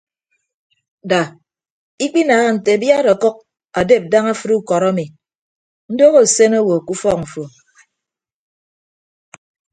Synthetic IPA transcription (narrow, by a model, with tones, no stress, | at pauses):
da˨ | i˦k͡pi˦naː˨ɣa˦n̩˨te˨bja˦ɾɔ˨kɔ˦k̚ | a˨de˦˨p̚da˦ŋa˦fɨ˦ɾu˦kɔ˨ɾa˦mi˨ | n̩˦do˦ɣo˦˨se˦na˦wo˨ku˦fɔ˦k̚m̩˨fo˨